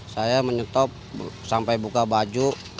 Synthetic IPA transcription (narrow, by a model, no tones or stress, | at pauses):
sajaməɲət̪ɔp̚sampajbukabad͡ʒu